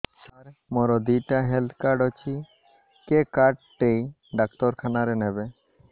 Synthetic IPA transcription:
saɾmɔɾɔd̪iʈaɦɛlt̪ʰkaɾɖɔt͡ʃʰi | kekaɾɖ̚ʈej | ɖakt̪ɔɾkʰanaɾɛnɛbe

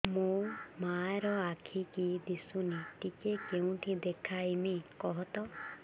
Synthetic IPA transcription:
mũmaɾɔakʰikid̪isuniʈikekeũʈʰid̪ekʰaimikɔɦɔt̪ɔ

